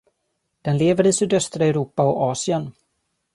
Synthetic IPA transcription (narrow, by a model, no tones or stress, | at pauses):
d̪̥ɛnleːvəɾɪsyːd̪œst̪ɾaɛɾuːpaɔɑːsɪən